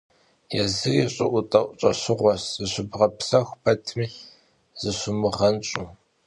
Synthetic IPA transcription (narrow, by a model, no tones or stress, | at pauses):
jɛzɨriːɕʼɪʔʷʊtʼɐʔʷʼʊt͡ʃʼɐɕɪʁʷɔszɨɕʷʊbʁɐpsɐxʷpʰɐtʰmiː | z̥ɨɕʷʊmɨʁɐnt͡ʃʼu